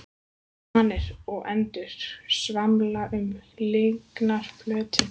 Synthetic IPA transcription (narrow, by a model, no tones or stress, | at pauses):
anːɪɾ̥ɔɣɛnt̪ʏɾ̥svamlaʔʏmleŋknaɾ̥flœːt̪ʰɪ